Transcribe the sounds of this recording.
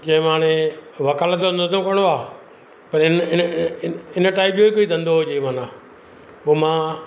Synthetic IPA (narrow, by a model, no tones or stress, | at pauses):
d͡ʑɐ̃ɦɪ̃mãːɽ̃eʋɐkaːlt̪ond̪t̪õkɐɽ̃oaː | pɐɾɪnɪn | ɪnəʈaːɪp̚joːikoːid̪ɐ̃nd̪oɦod͡ʑeːmãːnãː | oːmãː